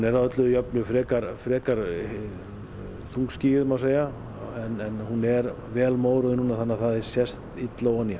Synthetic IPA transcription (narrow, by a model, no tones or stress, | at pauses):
unɛɾaðœt̪lʏðʏjɔpnʏfɾɛːkaɾfɾɛːkaɾ̥ | t̪ʰuŋksciːɣɪðmawseːja | ɛnɛnhunɛɾ | vɛːlmoːwɾʏðɪnːuːnːaθanːaθaðɪ̥sjɛst̪it̪lawanːja